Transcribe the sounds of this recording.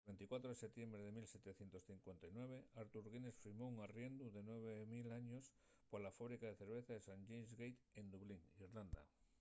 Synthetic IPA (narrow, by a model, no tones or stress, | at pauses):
βe̞nt̪ikwat̪ɾoese̞t̪je̞mbɾeðe̞milse̞t̪e̞θje̞nt̪o̞sθiŋkwent̪ajnwe̞β̞eaɾt̪uɾɣinesfiɾmouŋarje̞nd̪uðe̞nwe̞β̞emilaɲo̞s | poɾlafaβɾikaðe̞θe̞ɾβ̞e̞θaðesaɲʝejnzɣejt̪end̪uβliŋiɾland̪a̰